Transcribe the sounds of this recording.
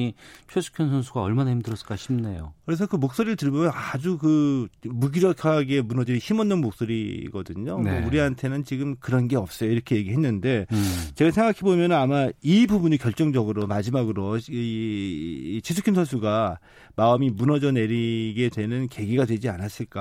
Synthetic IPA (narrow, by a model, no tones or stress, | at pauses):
it͡ɕʰwesʰu̥kʰjʌnsʰʌnsʰuɡaʌɭmanaɦimdɯɾʌs͈ɯ̥k͈aɕʰimnejokɯɾe̞s̬ʰʌkɯmok̚s͈oɾiɾɯɭtɯɭmʌmjʌnad͡ʑukɯmuɡiɾʌkʰaɡe̞munʌdɯɾiçimʌnːɯnmok̚s͈oɾḭɡʌdɯɲonouɾiɦantʰe̞nɯnt͡ɕiɡɯmkɯɾʌnɡe̞ʌp̚s͈ʌjoiɾʌkʰe̞je̞ɡiɦe̞nːɯnde̞t͡ɕe̞ɡasʰe̞ŋɡakʰebomjʌnɯnamaibubuɲikjʌɭt͡ɕ͈ʌŋd͡ʑʌɡɯɾomad͡ʑimaɡɯɾo | t͡ɕʰesʰukʰʌnsʰʌnsʰuɡa | maɯmimunʌd͡ʑʌne̞ɾiɡe̞dwe̞nɯnke̞ɡiɡadwe̞d͡ʑianas͈ɯɭk͈a